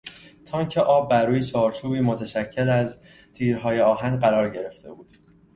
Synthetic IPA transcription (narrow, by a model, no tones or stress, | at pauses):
t̪ʰɒːŋcʰeʔɒːbːæɾːuːjet͡ʃʰɒːɾt͡ʃʰuːbiːmot̪ʰæʃæcʰːelæz | t̪ʰiːɾɦɒːjeɒːɦæŋɢæɾɒːɾɟe̞ɾe̞ft̪ʰe̞̰buːd̪̥